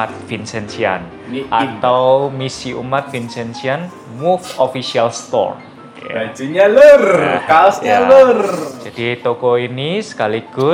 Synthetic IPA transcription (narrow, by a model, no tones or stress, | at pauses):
at̪̚finsɛnsia̰n | ʔat̪awmisiʔumat̪̚vinsɛnsian | mufofisialst̪ɔ̰r̰ | bad͡ʒuɲalurkasɲalərd͡ʒad̥it̪okɔinisə̥kaliɡ̥ʊ